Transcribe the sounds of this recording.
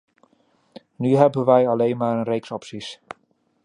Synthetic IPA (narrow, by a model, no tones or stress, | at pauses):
nyɦɛbənʋɛjɑlejnmaːɾənrejksɔpsis